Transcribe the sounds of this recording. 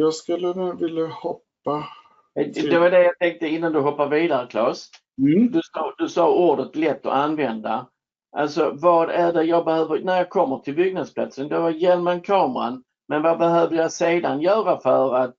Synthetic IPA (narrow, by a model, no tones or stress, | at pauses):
jɑskɵlːənuvɪljahɔpːa | d̪ɛvad̪ɛjɑt̪ʰɛŋk̚t̪əɪnːand̪ɵɦɔpːaɾviːd̪aɾəkʰlɑːs | d̪ɵsɑːd̪ɵsɑːuːɖət̪lɛt̪ːɔ̰anːvɛnd̪a | ʔalsɔvɑːd̪æɖɛjɑːɡbɛhœːvəɾnæɾjɑːkʰɔmːəʈʰɪlbʏɡnad̪spʰlat̪sənd̪ɛvajɛlmənkʰɑːmɾa̰n | mɛnvabɛɦøːvd̪əjɑseːd̪anjœːɾafœɾat̪̚